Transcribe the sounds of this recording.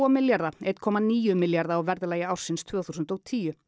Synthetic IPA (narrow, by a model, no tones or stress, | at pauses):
ɔmɪljaɾðaɛt̪kʰɔːmaniːjʏmɪljaɾðaːwvɛɾðɪlaːjɪawɾsɪnst̪ʰvœːɣθuːsʏnt̪ɔɣt̪ʰiːjʏ